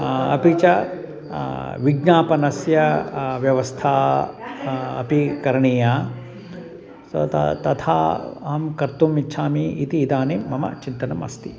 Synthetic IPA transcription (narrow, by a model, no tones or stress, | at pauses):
ɐ̰pit͡ʃɐ | ʋiɡɲaːpɐnɐsjɐʋjɐʋɐst̪ʰaː | ɐ̰pikɐɾɐɳiːjaː | sɐ̰t̪ɐ̰t̪ɐt̪ʰa̰ːɐmkɐɾt̪umitːʃʰaːmiit̪iːd̪aːnimɐmɐ̰t͡ʃint̪ɐnɐmɐ̰st̪i